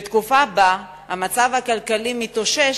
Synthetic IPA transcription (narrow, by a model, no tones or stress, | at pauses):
t̪kufaba | hamat͡savhakalkalimit̪o̞ʃe